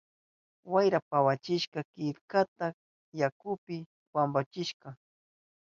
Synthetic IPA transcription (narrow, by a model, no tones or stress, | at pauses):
wajɾapawat͡ʃɪʃkɑkɪkat̪a | jakʊpɪ | wambat͡ʃɪʃkɑ